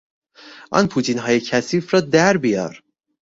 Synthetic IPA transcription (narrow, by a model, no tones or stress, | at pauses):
ʔɒ̰ːnpʰuːt̪ʰiːnɦɒːjecʰæsiːfɾɒːd̪æɾbijɒ̰ːɾ